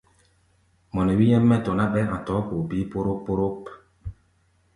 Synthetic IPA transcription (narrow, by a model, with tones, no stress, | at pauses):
mɔ˨nɛ˨wi˦jɛ˦mːɛ˦˨tɔ˨na˦ɓɛ˦ã˨tɔ˨˦ko˨bi˨˦po˦ɾo˦pːo˦ɾo˦p